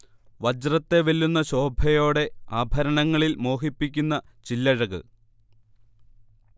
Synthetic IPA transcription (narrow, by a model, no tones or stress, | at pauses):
ʋɐd͡ʑrɐt̪ːe̞ʋelːunːɐɕo̞ːbʱɐjo̞ːɽe̞aːbʱɐɾɐɳɐŋːɐɭilmo̞ːɦipːikʲːunːɐ | t͡ɕilːɐɻɐɣɨ̰